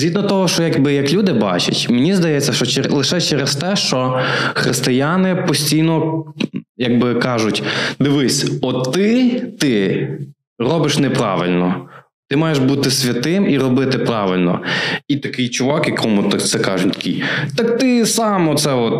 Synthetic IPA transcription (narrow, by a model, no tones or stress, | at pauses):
zʲɦid̪nɔt̪ɔɦɔʃt͡ʃɔjɐɡbɪjɐklʲud̪ɪbɑ̰t͡ʃɐ̰tʲmnʲizd̪ɐjɛt͡sʲːɐʃt͡ʃɔt͡ʃlˠɪʃɛt͡ʃɛɾest̪ɛʃt͡ʃɔxɾɪst̪ɪjanɪpɔsʲtʲijnɔ | jɐɡ̚bɪkɑʒʊtʲd̪ɪʋɪsʲɔt̪ɪt̪ɪ | rɔbɪʃnɛpɾɑ̰ʋɪlʲnɔ | t̪ɪmɑjeʃbut̪ɪsʲʋʲɐt̪ɪmiɾɔbɪt̪ɪpɾɑʋɪlʲnɔ̰it̪ɐkɪjt͡ʃʊʋɑkikʰɔmut̪akt̪sɛkɑʒʊtʲt̪ɐ̥kʲijt̪ɑkt̪ɪsɑmɔt̪sɛɔt̪̚